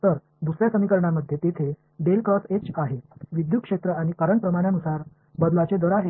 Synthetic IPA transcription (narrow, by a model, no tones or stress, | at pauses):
t̪əɾ | b̪usɾjasəmikəɾɳ̃aməd̪ʱːjet̪et̪ʰe | ɖelkɾɔset͡ɕaɦeʋid̪jukʂet̪ɾəaɽ̃ikəɾəɳpɾəmaɽjanusaɾ | bəd̪lat͡ɕed̪əɾaɦe